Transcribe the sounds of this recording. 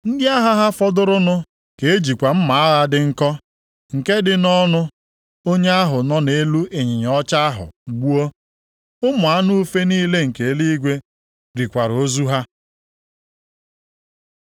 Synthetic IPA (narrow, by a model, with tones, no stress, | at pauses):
n̩˦dɪ˦a˦ɦa˦ɦa˦fɔ˦dʊ˦ɾʊ˦nʊ˦ | ke˨e˦d͡ʒi˨kʷa˨m̩˦ma˨a˦ɣa˦dɪ˦ŋ̩˦kɔ˦ | ŋ̩˨ke˦dɪ˦nɔ˦nʊ˦ | o˦ɲe˦a˦ɦʊ˨nɔ˦ne˦lu˦e˨ɲɪ˨ɲ˨ɔ˦t͡ʃa˦a˦ɦʊ̰˨ɡ͡bu˦o˦ | ʊ˦mʊ˨a˦nu˦u˦fe˦niː˦le˦ŋ̩˨ke˨˦li˦ɡʷe˦ | ɾi˨kʷa˨ɾo˦zu˦ɦa˦